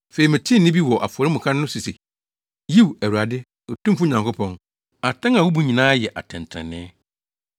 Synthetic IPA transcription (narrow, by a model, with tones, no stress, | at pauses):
fe˨i˨mɪ̃˨tʰɪ̃˦nɪ̃˦bi˦wɔ˨ʔa̰˨fʊ˨ɔ˨ɾɪ˦mʊ̃˨kʰa˦nʊ̃˦si˨se˨ | ji˦wæ˨u˨ɾa˨dɪ˦ | o˨tũ˦mfu˦ɲã˨ŋkʰʊ˦pʰɔ̃˦˨n | a˨tʰã˦ŋa˨wu˦bu˨ɲĩ˨nãː˦jɛ˨ʔa̰˨tʰɛ̃˨n˨tʰɾɛ̰˨nɪ̰̃˦